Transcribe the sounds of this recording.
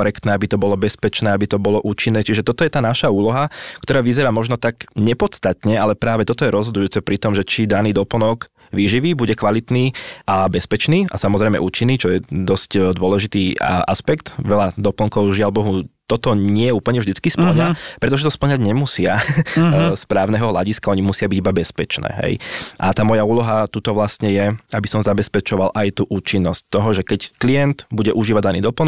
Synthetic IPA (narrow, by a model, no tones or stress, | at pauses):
ɔɾɛkt̪nɛːabit̪ɔbɔlɔbɛspɛt͡ʃnɛːabit̪ɔbɔlɔʔuːt͡ʃinːɛːt͡ʃiʒɛt̪ɔt̪ɔjɛt̪aːnaʃauːlɔɦakt̪ɔɾaːʋizɛɾaːmɔʒnɔt̪akɲɛpɔt̪st̪at̪ɲɛʔalɛpɾaːʋɛt̪ɔt̪ɔjɛɾɔzɦɔd̪ujuːt͡sɛpɾit̪ɔmʒɛt͡ʃid̪aniːd̪ɔpl̩nɔɡ | ʋiːʒiʋiːbuɟɛkʋalit̪niːʔabɛspɛt͡ʃniːa̰samɔzɾɛjmɛ̰ʔuːt͡ʃinːiːt͡ʃɔjɛd̪ɔscd̪ʋʊɔlɛʒit̪iːʔa̰spɛkt̪ʋɛʎad̪ɔpl̩ŋkɔʊʒialbɔɦut̪ɔt̪ɔɲɪɛjɛuːpl̩ɲɛvʒd̪it͡skispl̩ɲapɾɛt̪ɔʒɛt̪ɔspl̩ɲaɟɲɛmusɪa | spɾaːʊnɛɦɔɦlaɟiskaɔɲimusɪabiɟibabɛspɛt͡ʃnɛ̰ːɦɛ̰jʔa̰t̪aːmɔjauːlɔɦat̪uːt̪ɔʋlast̪ɲɛjɛabisɔmzabɛspɛt͡ʃɔʋalʔajt̪uːʔuːt͡ʃinːɔsc̚t̪ɔɦɔʒɛkɛcklijɛnd̪buɟɛʔuʒiːʋaɟd̪aniːd̪ɔpl̩